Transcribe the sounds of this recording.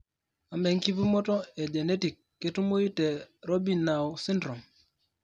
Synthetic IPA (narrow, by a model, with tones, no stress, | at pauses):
a˨mɛ˨ŋki˦pi˦mɔ˦tɔ˦e˨d͡ʒe˨ne˦ti˨kːe˦tu˦mo˦ji˦te˨ɾo˦bi˨na˨wsi˦ndɾo˨m